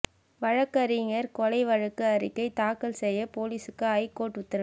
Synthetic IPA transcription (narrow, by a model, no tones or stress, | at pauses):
ʋɐɻɐkːɐɾɪŋɐɾkɔlɐɪʋɐɻɐkːɯɐɾɪkːɐɪt̪aːkɐlsɛjːɐpoːliːsɯkːɯɐɪkːoːʈʊt̪ːɐɾɐ